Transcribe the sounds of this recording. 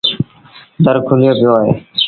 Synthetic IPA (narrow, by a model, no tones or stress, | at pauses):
d̪ʱəɾkʰʊlɪjoːpɪjoːaːɦḛː